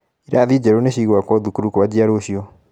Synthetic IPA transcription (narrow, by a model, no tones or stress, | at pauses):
iɾaːðid͡ʑɛɾoneɕiɣwakwɔðukuɾukowad͡ʑiaɾoɕiɔ